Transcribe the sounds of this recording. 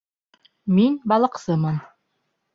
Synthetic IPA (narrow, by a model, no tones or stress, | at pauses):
minbɑlˠɤ̆qsɤmɤn